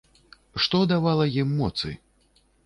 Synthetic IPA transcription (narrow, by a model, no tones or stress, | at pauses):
ʂt̪ɔd̪avalˠɐjimːɔt̪sɨ̰